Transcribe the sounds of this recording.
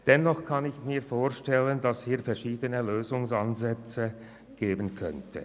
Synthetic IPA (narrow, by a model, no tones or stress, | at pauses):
d̥ɛnːɔχkʰanɪçmiːɐfoːɐʃtɛləndashiːɐfɛɐʁʃiːdənəløːzʊŋsanzɛt͡sə | ɡ̥eːbənkʰœ̰ntʰə̰